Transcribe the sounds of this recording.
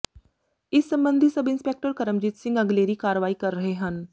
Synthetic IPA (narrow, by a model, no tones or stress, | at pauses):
isːəmbənd̪ʱisəbinspek̚ʈəɾkəɾəmd͡ʑiːt̪sɪ̃ŋɡəɡleɾiːkaɾəʋaːiːkəɾːəɦeɦən